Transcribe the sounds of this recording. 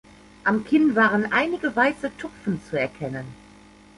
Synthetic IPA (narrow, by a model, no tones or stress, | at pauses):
ʔamkʰɪntvaːʁənʔaɪnɪɡəvaɪsətʰʊpp͡fn̩t͡suɛɐkʰɛnən